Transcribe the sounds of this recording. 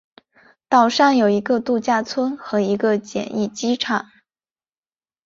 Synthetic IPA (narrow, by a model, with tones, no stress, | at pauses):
t̪ɑ˨˩ʊʂɑ˥˩ŋjo˨˩ʊi˧˥ɡə˧t̪u˥˧t͡ɕja˥˩t͡sʰwə˥nxɤ˧˥i˧˥ɡə˧t͡ɕjɛ̰˨˩ni˥˩t͡ɕi˥ʈ͡ʂʰɑ˨˩˦ŋ